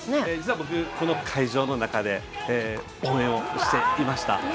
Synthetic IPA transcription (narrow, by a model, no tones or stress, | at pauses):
need͡ʑi̥t͡s̪ɨɯβabo̞k̬ɯ̟ko̞no̞kʰaiʑo̞ːno̞nakad̪e̞ː | õ̞ːẽɰ̃o̞ɕi̥t̪e̞imaɕi̥t̪a̰